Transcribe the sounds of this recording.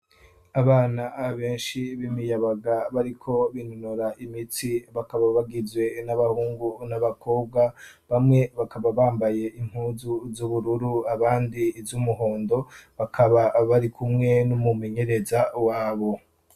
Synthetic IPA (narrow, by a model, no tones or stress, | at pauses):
aβaːnaβe̞ːnʃiβimijaβaɡaβaɾikʰo̞βinonoɾaʔimitiβakaβaβaɡizwe̞naβahuːŋɡunaβakʰo̞ːb̚ɡaβamŋe̞βakaβaβaːmbaje̞ʔim̥huːzuzuβuɾuɾuaβaːndizumuɦo̞ːndo̞βakʰaβaβaɾikʰumŋe̞numume̞ɲe̞ɾe̞zawaːβo̞